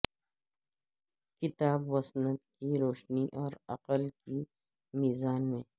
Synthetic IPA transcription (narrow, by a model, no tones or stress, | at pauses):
kɪt̪aːbwɐsnət̪kiɾoːʃniʔɔːɾɐ̰qəlki | miːzaːnmẽː